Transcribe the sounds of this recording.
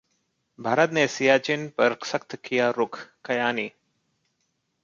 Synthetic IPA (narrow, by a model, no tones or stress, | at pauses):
bʱaːɾət̪nesijaːt͡ʃɪnpɐɾsəkt̪kijaɾʊkʰkɐjaːniː